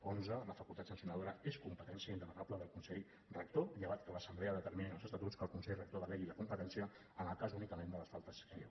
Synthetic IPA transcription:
onzələfəkulˠt̪at̪sənsiunəðoɾəeskumpət̪ɛnsiəind̪əmənabləðəlˠkunsɛʎ | rək̚t̪oʎəβat̪kələsəmblɛəðət̪əɾmininəlˠzəst̪ət̪utt͡skəlˠkunsɛʎrək̚t̪oðəlɛʎiləkumpət̪ɛnsiə | ənəlˠkazunikəmẽnd̪ələsfalˠt̪əsk

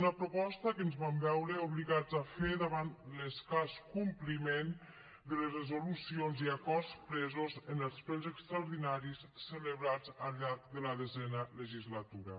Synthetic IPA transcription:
unəpɾupɔst̪əkənzβambɛwɾəuβliɣad͡zafeðaβanləskaskumplimen | d̪ələzrəzulusionziakɔrspɾɛzozənəlˠspɛwzəkst̪ɾauɾðinaɾisːələβɾad͡zəʎaɾk̚d̪ələðəzɛnələʒizlat̪uɾə̰

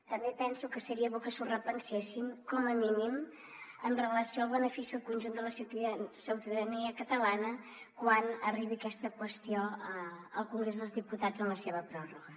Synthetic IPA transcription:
t̪əmbepɛnsukəsəɾiəβokəsurəpənsesiŋkɔməminim | ənrələsioalˠβənəfisiəlˠkunʲʒund̪ələsit̪səwt̪əðəniəkət̪əlanə | kwanəriβiəkɛst̪əkwəst̪ioəəlˠkuŋɡɾezðəlˠzðiput̪ad͡zənləseβəpɾɔruɣə

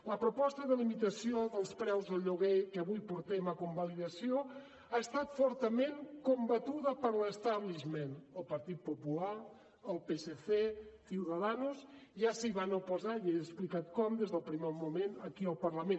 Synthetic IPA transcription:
ləpɾopɔst̪əðəlimit̪əsioðəlˠspɾɛwzðəlˠʎuɣejkəβujpuɾt̪emakumbaliðɐsjo | aəst̪at̪fɔɾt̪əmeŋkumbat̪uðəpəɾləst̪aβliʒmenəlˠpɐɾt̪it̪̚popula | əlˠpeseθesiwðaðanusʒasiβanopozajeəsplikat̪̚kɔmd̪ezðəlˠpɾimɛɾmumenəkiəlˠpəɾlɐmẽn

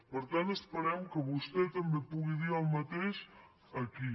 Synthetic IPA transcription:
pəɾt̪ant̪əspəɾɛmkəβust̪ɛt̪əmbepuɣiðiɾəwmat̪eʃ | əki

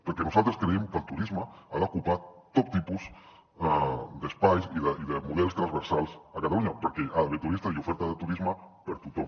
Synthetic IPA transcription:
pəɾkenusalˠt̪ɾeskɾeemkəlt̪uɾizmaaðakupat̪t̪ːopt̪ipuz | d̪espajsiðəʔiðəmuðɛlst̪ɾazβəɾsalˠsakat̪aluɲapəɾkeʔaðβet̪uɾist̪aiufɛɾt̪aðət̪uɾizmapəɾt̪ut̪om

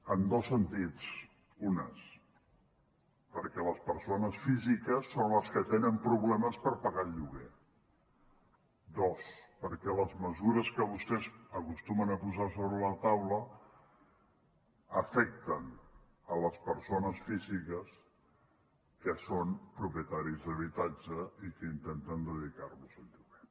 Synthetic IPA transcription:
ənd̪osːənt̪it͡s | unə̰s | pəɾkɛləspəɾsonəsfizikəsːonləskət̪enəmpɾuβlɛməspəɾpəɣaʎuɣe | d̪ospəɾkɛləzməzuɾəskəβust̪ɛzəkust̪umənəpuzasoβɾələt̪awlə | əfɛkt̪ən | ələspəɾsonəsfizikəs | kəsonpɾupjət̪aɾizðəβit̪ad͡ʒəikəint̪ent̪ənd̪əðikarβuzəʎuɣe

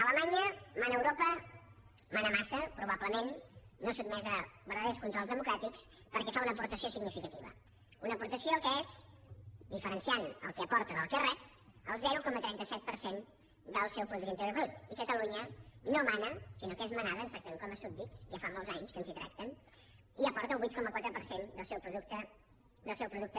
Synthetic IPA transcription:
ələmaɲəmanəəwɾopə | manəmasəpɾuβabləmenːosub̪mɛzəβəɾðəðewskunt̪ɾɔlˠzðəmukɾat̪iks | pəɾkɛfaunəpuɾt̪əsiosiɡnifikət̪iβə̰ | unəpuɾt̪əsiokəez | d̪ifəɾənsianə̰lˠkəəpɔɾt̪əðəlˠkərɛt̪ | əlˠzɛɾukɔmət̪ɾɛnt̪əsɛt̪̚pəɾsen | d̪əlˠsɛwpɾuðuənt̪əɾjoɾβɾut̪ikət̪əluɲənomanəsinokezmənaðəːɡzak̚t̪əmeŋkɔməsut̪̚bisʒafamolzaɲskənzit̪ɾa̰k̚t̪ən | iəpɔɾt̪əlˠβwit̪̚kɔməkwat̪ɾəpəɾsend̪əlˠsɛwpɾuðukt̪ə | d̪əlˠsɛwpɾuðuk̚t̪ə

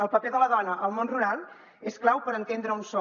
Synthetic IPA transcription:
əlˠpəpeðələðɔnəʔəlˠmonruɾalˠ | esklawpəɾənt̪end̪ɾəunsɔ

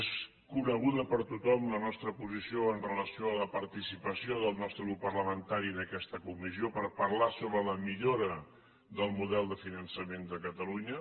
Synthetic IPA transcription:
es | kunəɣ̞uðəpəɾt̪ut̪ɔmlənɔst̪ɾəpuzisioənrələsioələpəɾt̪isipəsioðəlˠnɔst̪ɾəɣɾupːəɾləmənt̪aɾinəkɛst̪əkumisiopəɾpəɾlasoβɾələmiʎoɾə | ðəlˠmuðɛlˠd̪əfinənsəmend̪əkət̪əluɲə

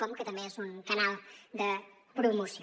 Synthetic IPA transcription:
ɔmkət̪ɐmẽezuŋkɐnalˠd̪ə | pɾumus

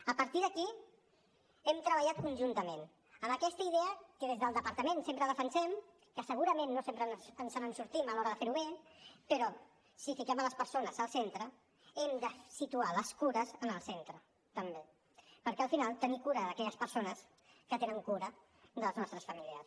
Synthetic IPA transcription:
əpəɾt̪iðəki | ɛmt̪ɾəβəʎat̪̚kunʲʒunt̪əmẽn | əməkɛst̪əiðeəkəðezðəlˠd̪əpəɾt̪əmensempɾəðəfənsɛm | kəsəɣuɾəmẽnːosempɾənzənsanənsuɾt̪iməlɔɾəðəfeɾuβepəɾɔ | sifikɛmələspəɾsonəzəlˠsent̪ɾə | ɛmd̪əsit̪ualəskuɾəzənəlˠsent̪ɾə | t̪əmbe | pəɾkɛəlˠfinalˠt̪ənikuɾəðəkɛʎəspəɾsonəs | kət̪enəŋkuɾə | d̪əlznɔst̪ɾəsfəmiliə̰s

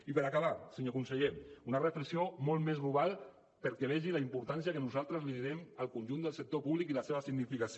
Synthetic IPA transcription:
ipəɾakaβ̞asəɲokunsəʎeunərəfləksiomolˠt̪mezɣluβalˠ | pəɾkeβ̞ɛʒilaimpuɾt̪ans̬iakənuzalˠt̪ɾəzliðiɾɛməlˠkunʲʒund̪əlˠsək̚t̪opuβlikiləseβəsiɣnifikas

